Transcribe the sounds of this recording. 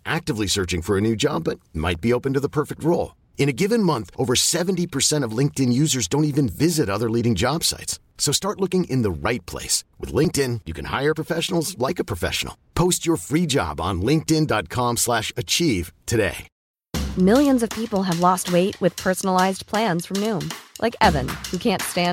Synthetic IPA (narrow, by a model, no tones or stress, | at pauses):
ʔæk̚tɨvlisɜ˞t͡ʃɪ̃ŋfə˞ɨnʉd͡ʒɑb̚ʌt̚ma̰ɪt̚b̥ioʊpɨ̃n̩tɨðəpʰɜ˞fɨk̚t̚ɹoʊlˠ | ɨ̃ñɨɡɪvɨ̃nmʌ̃nθʔoʊvə˞sɛṽntipʰə˞sɛ̃ɾ̃ʌvlɪ̃ŋk̚tɨ̃njʉzə˞zdõʊ̃ntivɨ̃nvɪzɨɾʌðə˞liɾɪ̃ŋd͡ʒɑb̥sa̰ɪts | soʊstɑɹtˡlʊkɪ̃ŋʔɨ̰̃nðəɹaɪt̚pʰl̥ḛɪswɨ̰ðlɪ̃ŋk̚tɪ̃njɨkʰɨ̰̃n̩ha̰ɪə˞pʰɹ̥əfɛʃn̩l̩ˠzlaɪkɨpʰɹ̥əfɛ̰ʃn̩l̩ˠpʰoʊst͡ʃə˞fɹid͡ʒɑ̰b̃n̩lɪ̃ŋk̚tɪ̃ndɑt̚kʰɑ̃mslæʃɨt͡ʃʰiv̥tʰɨdḛɪ | mɪlˠjɨ̃nzʌv̥pʰipl̩ˠɨvlɔst̚weɪʔ̚wɨð̥pʰɜ˞sn̩l̩aɪzpʰl̥æ̃nz̥fɹʌ̃mnũmlʔa̰ɪkɛvɨ̰̃nhukʰæ̃ntstæ̃